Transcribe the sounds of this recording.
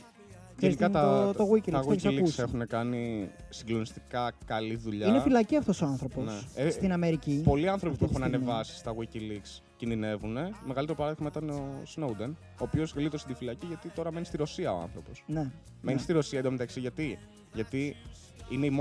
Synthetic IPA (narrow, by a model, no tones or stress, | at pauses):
kenikɐt̪ɐoɣwicilɐsɣwiliuksexunekɐnisiɡlo̞nist̪i̥kɐkɐliðuʎɐnefilɐciɐft̪o̞soɐnθɾoponseest̪inɐmeɾicipo̞liɐnθɾopipuexunɐnevɐsi̥st̪ɐɣiciliks | cinðine̞vune̞meɣɐlit̪eopɐɾɐðiɣmɐit̪ɐneosnowd̪en | o̞ːpio̞zɣlit̪ost̪id̪ifilɐciʝɐt̪it̪o̞ɾɐme̞nist̪iɾo̞siɐoɐ̰nθɾo̞po̞sne | me̞nist̪iɾo̞siɐed̪omet̪ɐksiʝɐt̪i | ʝɐt̪i | ineimo